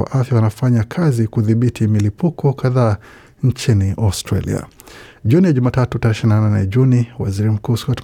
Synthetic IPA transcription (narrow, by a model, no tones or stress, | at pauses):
a̰ʔafjawanafaɲakʰazikuðiɓitʰimilipukɔkaðaː | ɲt͡ʃiniʔastɾa̰lḭa̰ | ʄunijaʄumatatutaɾɛʃininananɛ̰ʄuniwa̰ziɾim̩kuːskɔt